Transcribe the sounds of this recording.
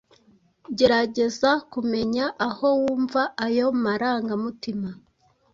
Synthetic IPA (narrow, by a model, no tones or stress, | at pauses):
ɟe̞ɾaɟe̞zakume̞ɲaʔaho̞wuːɱvaajo̞maɾaːŋɡamutima